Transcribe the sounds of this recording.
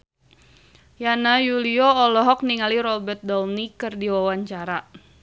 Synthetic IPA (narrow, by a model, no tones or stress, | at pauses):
janajuliɔːlɔɦɔk̚niŋaliɾɔbɛrt̪̚dɔlnikɨrdiwawaɲt͡ʃaɾa